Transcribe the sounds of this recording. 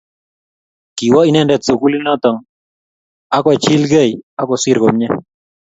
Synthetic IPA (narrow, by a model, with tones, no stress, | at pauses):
ki˨wɔ˦i˨nɛ˦ndɛ˨t̪so˨ku˦li˦nɔ˦t̪ɔ˨ŋ | a˦kɔ˨t͡ʃi˦lɡe˦˨ja˦kɔ˨si˦ɾɡo˨mɲɛ˦